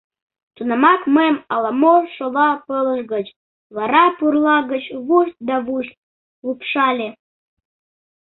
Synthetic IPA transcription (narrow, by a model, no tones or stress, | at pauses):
t̪unɑmɑkməjəmɑlɑmoʃoβɑpələʃɣət͡ɕ | βɑɾɑpurlˠɑɣət͡ɕβuʃt̪̚d̪ɑβuɕt̪̚ | lupʃɑlʲe